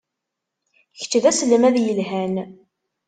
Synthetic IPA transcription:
çə̥t͡ʃːðæsələmæðjəlɦæn

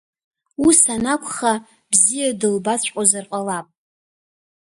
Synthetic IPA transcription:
isanakʷʰʼχa | bzijadɨlbat͡sʷʼqʼazarqʼalapʼ

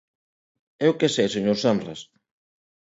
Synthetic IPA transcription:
ɛwkesɛseɲoɾsanras

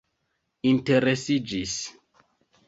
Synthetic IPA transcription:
inte̞ɾesid͡ʒis

